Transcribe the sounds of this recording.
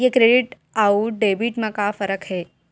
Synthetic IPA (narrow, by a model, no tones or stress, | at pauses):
jekɾeɖiʈ | auɖeːbiʈmãkafəɾəkɦeː